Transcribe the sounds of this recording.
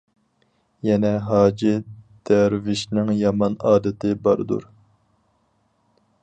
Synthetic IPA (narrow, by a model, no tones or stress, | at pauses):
jɛnɛɦɑːd͡ʒid̪̥æɾvɪʃnɪŋjɑmɑnɑːd̪ɨt̪ʰɪbɑɾd̪ṵɾ